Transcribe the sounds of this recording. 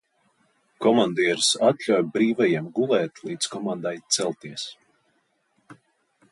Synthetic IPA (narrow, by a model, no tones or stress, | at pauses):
kɔmand̪iɛɾsat̪ʎʲawjbɾiːvajiɛmɡulˠɛːt̪lˠiːd̪skɔmand̪ajt̪sɛlˠt̪iɛs